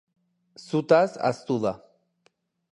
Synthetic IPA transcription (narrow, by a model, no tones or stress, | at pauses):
sut̪asa̰st̪uða